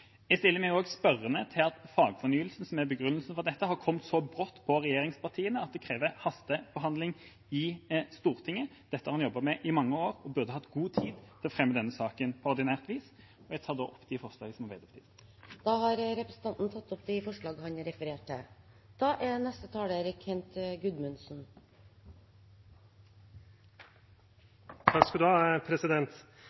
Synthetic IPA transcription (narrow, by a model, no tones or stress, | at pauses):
æɡst̪ɪlːəɾmæɡoːɡspœɾənət̪ʰɪlɑt̪fɑːɡfɔʁnyːəlsn̩sɔmæbəɡɾʁʉnːəlsn̩fɔʁd̪ɛt̪ːəhɑɾkʰɔmt̪sɔbʁɔt̪ːpʰɔɾɛjeːɾɪŋspʰɑʁt̪ʰiːənəɑt̪̚d̪ɛkʰɾeːʋəhɑst̪əb̥əɦɑnd̪lɪŋ | ɪst̪uːʁt̪ʰɪŋːəd̪̥ɛt̪əhɑɾhɑnjɔbːəmɛʔɪmɑŋːəoːɾɔbʉʁd̪əhɑt̪ːɡuːt̪ʰiːd̪t̪ʰɪlɔfʁɛmːəd̪ɛnːəsɑːkənpʰɔɔɾd̪ɪnæːʁt̪ʋiːs | ɔjɛɡt̪ʰɑːd̪o̰ːʔɔpːd̪̥ɪfɔʁʂlɑːɡəsɔmhɑʋɛd̪ɔpt̪ɪsd̪̥ɑːhɑɾɾɛpɾəsn̩t̪ɑnt̪nt̪ʰɑt̪ːɔpd̪ɪfɔʂɭɑːɡəhɑnɾɛfəɾeːʈɪ̰d̪̥ɑːʔænɛst̪ət̪ʰɑːleɾɪkʰɛnt̪ɡʉd̪mʉnsn̩ | t̪ʰɑskɑd̪ʉhɑːpʰɾɛsɪd̪ɛnt̪